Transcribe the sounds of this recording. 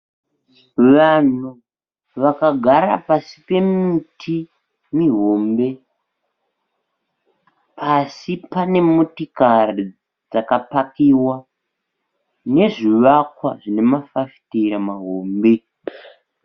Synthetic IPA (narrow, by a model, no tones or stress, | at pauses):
ʋan̤u | ʋakaɡʱaɾa̰pasipe̞mitʰi | miɦo̞mbe̞ | pʰasipane̞mutikari | d͡zakapakiːwa | ne̞ʐiʋakwa̰ʐinemafafi̥teɾamaɦoːmbe̞